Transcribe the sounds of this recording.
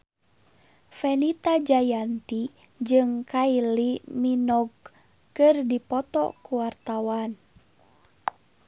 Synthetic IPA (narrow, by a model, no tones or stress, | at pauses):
fɛnit̪ad͡ʒajant̪i | d͡ʒɨŋkailiminɔɡ̚ | kɨrdipɔt̪ɔ̰kuwart̪awan